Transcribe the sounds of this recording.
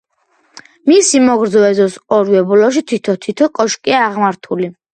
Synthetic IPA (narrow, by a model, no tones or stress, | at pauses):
misimɔɡɾd̪zɔɛzɔsɔɾwɛbulɔʃ̬it̪ʰit̪ʰɔt̪ʰit̪ʰɔkʼɔʃkʼiaːʁmaɾt̪ʰuli